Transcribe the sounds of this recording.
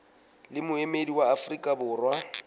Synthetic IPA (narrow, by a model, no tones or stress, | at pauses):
lɪmʊemediwaːfrikʼabʊːrwa